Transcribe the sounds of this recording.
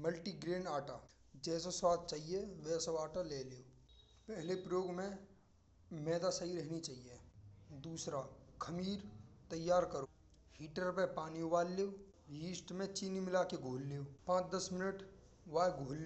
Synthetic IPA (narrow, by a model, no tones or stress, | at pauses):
məlʈiɡɾeːnaːʈa | d͡ʒɛːs̬oswaːd̪̚t͡ʃaːɦieʋɛːsoaːʈaleːleoː | pɛɦlepɾəjoːɡmẽ | mɛːd̪asəiɾɛɦnit͡ʃaːɦijed̪uːsɾakʰɐmiːɾt̪ɐjːaːɾkəɾoː | hiːʈəɾpẽpaːnioʋaːlːeo | ɦiːsʈmẽt͡ʃiːnimɪlaːkeɡʱoːlːejoːpãːt͡ʃd̪əsmɪnəʈ | ʋaːeɡʱoːlːe